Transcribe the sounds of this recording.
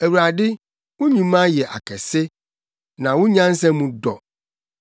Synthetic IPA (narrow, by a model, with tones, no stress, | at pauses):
æ˨wu˨ɾa˨dɪ˦ | wʊ̃˦ɲũ˨mã˦jɛ˨ʔa̰˨kʰɛ˨sɪ˦ | nã˨wʊ̃˦ɲã˦n˦sɛ̃˦mũ˨dɔ˨